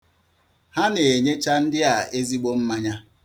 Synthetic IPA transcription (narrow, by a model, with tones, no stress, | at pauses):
ha˦ne˨ɲe˦t͡ʃa˦n̩˦dɪ˦a˨e˦zi˦ɡ͡bo˦m̩˦ma˦ɲa˦